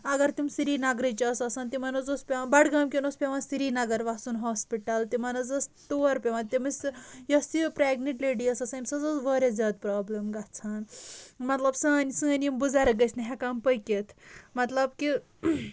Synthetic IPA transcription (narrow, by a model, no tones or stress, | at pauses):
ɐɡɐɾt̪imsiɾiːnɐɡɾit͡ʃɐsɐsɐːnt̪imɐnɐzospʲeʋabɐɽɡaːmkʲenospʲeʋansiɾinɐɡɐɾʋasunɦoːspiʈɐlt̪imɐnɐzɐst̪uɐɾpʲeʋɐ̃nt̪imɐsjɐstipɾeːɡniʈleːɖiɐsɐsɐmʲsɐzɐsʋɐːɾʲezʲaːd̪̚pɾaːblemɡɐt͡sʰaːnmɐt̪lɐbsɐːɐnisɨ̃ɐnimbuzaɾɐɡɐsnɐɦʲekampɐjket̪ʰmɐt̪lɐbki